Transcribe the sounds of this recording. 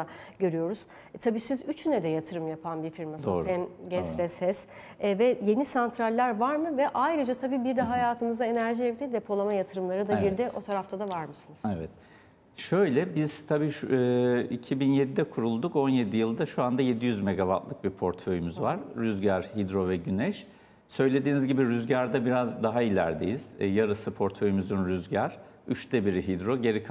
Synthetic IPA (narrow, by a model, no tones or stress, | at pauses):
aɟø̞ɾyjo̞ɾuz̥ | t̪ʰabiːsizyt͡ʃʰynɛd̪ɛjat̪ʰɯɾɯmjapʰanbiɾfiɾmasoːɛmɟɛsɾɛsɛs | vɛje̞nisant̪ʰɾalʲːæɾvaɾmɯvɛʔajɾɯd͡ʒat̪ʰabiːbiɾd̪ɛɦajaːt̪ʰɯmɯzd̪ae̞næɾʒilʲɛilʲɛd̪e̞pʰo̞lˠamajat̪ʰɯɾɯmlˠaɾɯd̪aɟiɾd̪iʔ̪o̞t̪ʰaɾaft̪ʰad̪avaɾmɯsɯnɯzɛvɛt̪̚ | ʃø̞jlʲɛbiz̥t̪ʰabiːʃ | icʰibinjed̪id̪ɛkʰuɾulˠd̪uko̞nje̞d̪ijɯlˠd̪aʃuand̪aje̞d̪ijyzme̞ɡaba̰t̪lˠɯk̚biɾpʰo̞ɾt̪fø̞jymyzvaɾ̥ːyzɟæɾhid̪ɾo̞vɛɟynɛʃ | sø̞jlʲe̞d̪iːnizɟibiɾyzɟæɾd̪abiɾazd̪aɦailʲæ̰ɾd̪ejiz̥jaɾɯsɯpʰo̞ɾt̪fø̞jymyzynɾyzɟæɾ̥ | yt͡ʃt̪ʰɛbiɾiɦid̪ɾo̞ɟe̞ɾikʰ